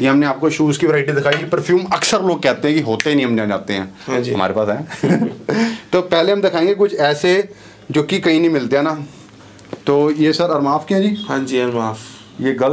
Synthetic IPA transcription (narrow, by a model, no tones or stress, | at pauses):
jeɦɐmneaːp̚koʃuːskiʋɪɾaːɪʈid̪ɪkʰaːipəɾfʰjuːmɐksəɾloːɡ̚kɛːt̪eɦɛ̃kiɦoːt̪einĩɦəmd͡ʒãːd͡ʒaːt̪eɦɛ̃ːɦãd͡ʒɦɐma̰ːɾepaːsɛː | t̪oːpɛːleɦɐmd̪ɪkʰaːẽːŋɡek̬ʊt͡ʃʰɛːse | d͡ʒʊkːikɐĩːnə̃ĩmɪlt̪eɦɛ̃ːnaː | t̪oːjeːsəɾɐɾmaːfkɛːd͡ʒiːɦãːɲd͡ʒiːɐɾmaːf | jeːɡəl